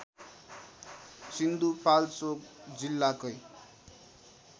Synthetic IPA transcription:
sind̪upalt͡sokd͡zilːakʌj

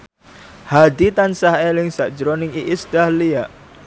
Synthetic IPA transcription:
had̪it̪ansaɦelɪŋsaʔd̥d͡ʒɾonɪŋiʔisd̪̥ahlia

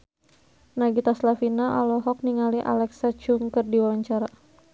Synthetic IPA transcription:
naɡit̪aslafinaʔɔlɔɦɔk̚niŋaliʔa̰lɛksat͡ʃuŋkərdiwawaɲt͡ʃaɾa

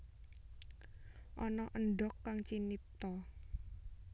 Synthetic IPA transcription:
ʔɔnɔʔənɖɔkːaŋt͡ʃinip̚t̪ɔ

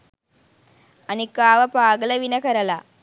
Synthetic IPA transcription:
ɐnikːaːʋɐpaːɡɐlɐʋinɐkɐɾɐlɐ

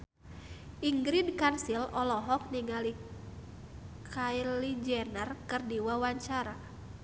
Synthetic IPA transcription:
ʔiŋɡɾidkansilɔlɔɦɔk̚niŋali | kʰailid͡ʒɛnərkɨrdiwawaɲt͡ʃaɾa

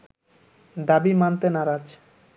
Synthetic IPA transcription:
d̪abimant̪enaɾad͡ʑ

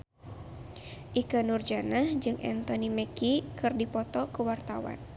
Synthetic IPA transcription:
ʔikənurd͡ʒanahd͡ʒɨŋʔɛ̰nt̪ɔnimɛkikɨrdipɔt̪ɔkəwart̪awa̰n

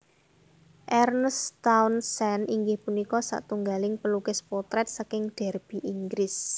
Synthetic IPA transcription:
ʔɛrnəst̪awnsɛniŋɡɪhpunikɔsa̰ʔt̪uŋɡalɪŋpəlukɛspɔt̪ɾɛt̪̚sakɪŋɖ̪̥ɛ̤rb̥i̤ʔiŋɡɾɪs

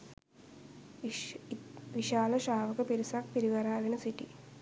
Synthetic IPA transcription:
ʋiʃaːlɐʃaːʋɐkɐpiɾisaːk̚piɾiʋɐɾaːðinɐsiʈːḭ

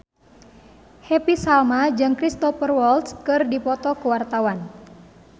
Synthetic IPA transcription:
hɛpisalmad͡ʒɨŋkɾist̪ɔfərwɔlt̪skɨrdipɔt̪ɔkəwart̪awan

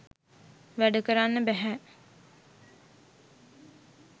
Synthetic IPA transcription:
ʋæɖəkəɾanːəbæɦɛ

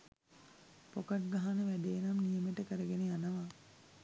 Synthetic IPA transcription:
pokaʈɡaɦanəʋæɖeːnamnijəmeʈəkəɾəɡeneanəʋa

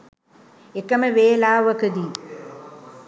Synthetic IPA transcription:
ekːɐmɐʋeːlaːʋɐkɐd̪i

